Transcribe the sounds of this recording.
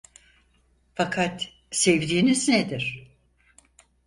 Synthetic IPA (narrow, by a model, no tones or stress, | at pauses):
fakʰat̪ | sevd̪iːnizned̪iɾ̥